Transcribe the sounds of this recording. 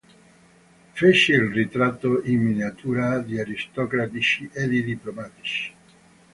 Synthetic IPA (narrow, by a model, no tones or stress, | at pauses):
fet͡ʃilrit̪ɾat̪ːoimːiniat̪ʰuːɾad̪iaɾist̪ɔkɾat̪it͡ʃied̪id̪iplomat̪i̥t͡ʃi̥